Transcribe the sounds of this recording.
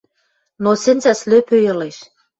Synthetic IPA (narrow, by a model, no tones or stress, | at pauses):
nosĕnzæsløpøjɤ̆leʃ